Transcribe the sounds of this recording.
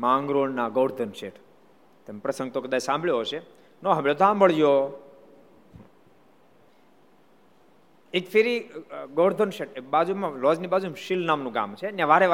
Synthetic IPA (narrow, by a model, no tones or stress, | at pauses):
mãŋɡɾoɳnaɡoːɽd̪ʱənʃeʈʰ | t̪empɾəsə̃ŋɡt̪okəd̪aːt͡ʃsãmbʱɭjoɦoʃe | noɦəmɭed̪ʱãmbəɭjo | ekfʰeɾiɡoːɽd̪ʱənʃeʈebad͡ʒumãlɔd͡ʒnibad͡ʒuemʃilnamnũɡa̰mt͡ʃʰenjãʋaɾeʋ